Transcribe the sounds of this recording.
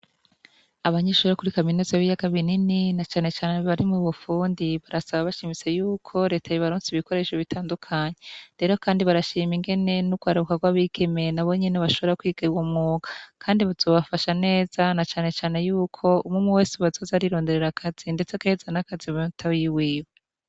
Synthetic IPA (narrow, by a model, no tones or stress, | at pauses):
aβaɲeʃuːɾokuɾikaminuzaaβijaɡaβinininat͡ʃaːne̞t͡ʃaːneβaɾimuβufuːndiβaɾasaβaβaʃimit͡se̞juːkʰo̞ɾe̞ːtʰajiβaɾoːnsiβiko̞ɾe̞ʃoβitʰaːndukʰaɲeɾe̞ːɾo̞kaːndiβaɾaʃiːmiŋɡe̞ne̞nuɡ̥waːɾaukaɡwaːβike̞me̞naβo̞ɲeneβaʃo̞βoɾakwiːɡ̥awomuːɡ̥ḁkʰaːndiβazo̞ːβafaʃane̞ːz̥anat͡ʃaːne̞t͡ʃaːne̞juːkʰo̞umŋumuwe̞ːseβazo̞ːzaɾiɾo̞ːnde̞ɾe̞ɾakʰaz̥inde̞t͡sekezanakaziβtʰawiwiːwee